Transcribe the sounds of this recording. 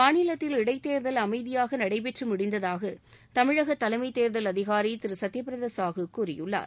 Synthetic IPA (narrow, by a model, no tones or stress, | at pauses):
maːnɪlɐt̪ːɪlɪɽɐɪt̪ːeːɾðɐlɐmɐɪðɪjaːɣɐnɐɽɐɪp̬ɛʈrɯmʊɽɪnd̪ɐðaːɣɐ | t̪ɐmɪɻɐɣɐt̪ːɐlɐɪmɐɪt̪ːeːɾðɐlɐðɪɣaːɾit̪ɪɾɯsɐt̪ːɪjɐp̬ːɪɾɐðesaːɣɯkːuːɾɪjɯɭːa̰ːɾ